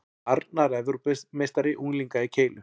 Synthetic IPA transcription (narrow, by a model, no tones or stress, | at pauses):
aɾt̪naɾɛðuɾpɪmejst̪aɾɪʔuŋliŋkaicʰeːjlʏ